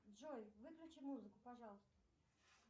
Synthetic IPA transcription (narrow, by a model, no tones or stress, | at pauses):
dʐojvɨklʲʊt͡ɕɪjmuzɨkʊpɐʐɑlˠəst̪ə